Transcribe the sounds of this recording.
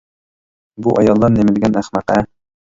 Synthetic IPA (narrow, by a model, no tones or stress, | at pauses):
buʔɑjɑlˠːɑnːɘ̆mɘ̆lɡænæχmæqæ